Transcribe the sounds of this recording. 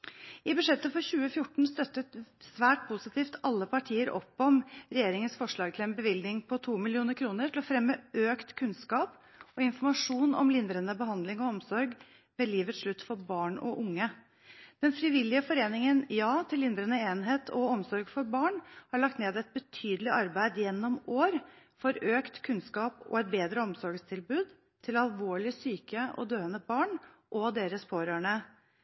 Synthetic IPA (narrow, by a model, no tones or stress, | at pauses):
ɪbʉʂɛt̪ːəfɔɾɕʉːəfjʊʈɳ̩st̪œt̪ːət̪sʋæːʈ̚pʰʊsɪt̪ʰiːft̪ʰɑlːəpʰɑʈʰiːəɾʔɔ̰pːɔmɾɛjeːɾɪŋənsfɔʂɭɑːɡ̚t̪ʰɪlɛnbəʋɪld̪nɪŋpʰɔt̪ʰuːmɪlɪuːnəɾkʰɾuːnəʈʰɪlɔfɾɛmːəøːkt̪kʰʉnskɑːp | ɔɪnfɔɾmɑʂuːnɔ̰mlɪnd̪ɾənəbəhɑnd̪lɪŋɔɔmsɔɾɡ | mɛliːʋət̪sʂɭʉt̪ːfɔɾbɑːɳɔ̰ʔʊŋːə | d̪̥ɛnfɾɪʋɪlːɪəfɔɾeːnɪŋənjɑːt̪ʰɪlːɪnd̪ɾənəeːnɦeːt̪ʰɔɔmsɔɾɡfɔɾbɑːɳhɑɭɑk̚t̪neːd̪ɛɪt̪̚bət̪ʰyːd̪əlɪʔɑɾbæɪd̪jɛnːɔmoːɾ | fɔɾøːkt̪kʰʉnskɑːpɔ̰ɛt̪̚beːd̪ɾəɔmsɔɾɡst̪ʰɪlbʉːd̪ | t̪ʰɪlɑlʋoːɭɪsyːkəɔ̰d̪øːənəbɑːɳʔɔd̪eːɾəspʰoːɾəːɳə